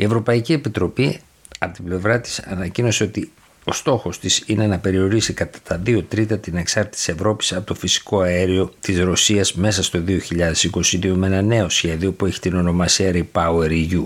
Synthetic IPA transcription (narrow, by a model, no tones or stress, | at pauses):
ie̞vɾo̞pɐiciepit̪ɾo̞pi | ɐpo̞t̪ible̞vɾɐt̪i̥sɐ̰nɐcino̞se̞o̞t̪i | o̞̰st̪o̞xo̞st̪isine̞nɐpe̞ɾio̞ɾisikɐt̪ɐ̥t̪ɐðio̞t̪ɾit̪ɐt̪ine̞ksɐɾt̪eit̪i̥se̞vɾo̞pi̥sɐpot̪o̞fisi̥ko̞ɐeɾio̞t̪izɾo̞siɐzme̞sɐst̪o̞ðio̞çiʎɐðe̞siko̞siðiomenɐne̞o̞sçe̞ðio̞pue̞çi̥t̪ino̞no̞mɐsiɐɾipɐueɾiʝu